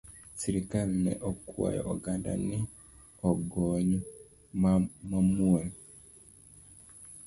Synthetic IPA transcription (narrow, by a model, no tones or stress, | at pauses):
siɾikalinḛʔokuwa̰jo̰ʔoɡaːnda̰ni | oɡoɲu | mmamue